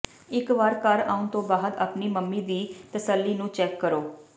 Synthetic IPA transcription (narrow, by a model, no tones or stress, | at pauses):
ɪkʋaːɾkəɾa̰ːũnt̪õːbaːɦəd̪a̰ːpniːməmːiːd̪iːt̪əsəlːiːnũːt͡ʃɛːkːəɾoː